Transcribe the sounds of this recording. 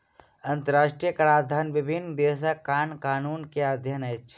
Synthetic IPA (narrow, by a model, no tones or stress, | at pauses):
ɐnt̪əɾaːʃʈɾijəkɐɾaːd̪ʱaːnʋɪbʱɪnːd̪eːs̬akːaːnkaːnuːnkead̪ʱjənɐt͡ʃʰ